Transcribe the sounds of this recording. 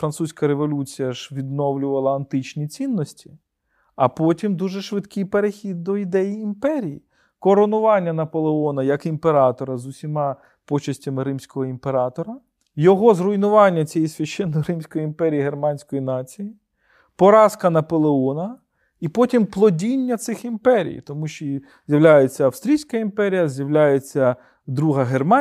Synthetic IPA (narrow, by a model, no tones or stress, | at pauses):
fɾɐnt̪susʲkɐɾeʋɔlʲut͡sʲijɐʃʋʲid̪nɔwlʲʊʋɐlˠɐɐnt̪ɪt͡ʃnʲit͡sʲinːɔsʲtʲi̥ | ɐpɔtʲimd̪uʒɛʃʋɪd̪kɪjpeɾexʲid̪̚ːɔid̪ɛjiːmpɛɾʲiji | kɔɾɔnʊʋɑnʲːɐnɐpɔlˠeɔnɐjɐkimpeɾɑt̪ɔɾɐzʊsʲimɑ | pɔt͡ʃɐsʲtʲɐmɪɾɪmsʲkɔɦɔimpeɾɑt̪ɔɾɐ | jɔɦɔzrʊjnʊʋɑnʲːɐt͡sʲijisʲʋʲɐʃːɛnːɔjɾɪmsʲkɔjiimpɛɾʲijiɦermɑnʲsʲkɔjinɑt͡sʲiji | pɔɾɑskɐnɐpɔlˠeɔnɐ | ipɔtʲimplˠɔdʲinʲːɐt̪sɪximpɛɾʲḭjt̪ɔmuʃt͡ʃɔ | zʲjɐʋlʲajet͡sʲːɐɐfst̪ɾʲijsʲkɐimpɛɾʲijɐzʲjɐʋlʲajet͡sʲːɐ | d̪ɾuɦɐɦermɑ